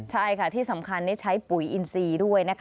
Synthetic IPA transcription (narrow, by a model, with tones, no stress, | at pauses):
t͡ɕʰa˥˩jkʰa˥˩t̪ʰiː˥˩sa˩˦mkʰa˧nːi˦˥t͡ɕʰa˦˥jpu˨˩˦jʔi˧nsiː˧du˥˩əjna˦˥kʰ